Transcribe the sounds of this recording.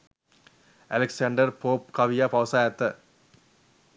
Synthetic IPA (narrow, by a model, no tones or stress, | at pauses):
ɐlɛksɐɳɖɐɾpoːpkɐʋijapɐʋsaːjɐt̪ːɐ